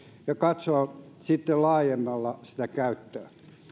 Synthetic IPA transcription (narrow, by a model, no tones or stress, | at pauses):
jɑkɑt̪soɑn | sit̪ːellɑːjemːɑlːɑsi̥t̪ækæyt̪ːøː